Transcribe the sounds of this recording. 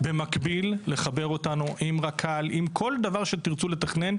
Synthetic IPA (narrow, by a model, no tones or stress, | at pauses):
be̞makbilːe̞χabe̞ʁo̞tanuʔimʁakʰalimkʰo̞ld̪avaʁʃe̞t̪iʁt͡sule̞t̪aχne̞n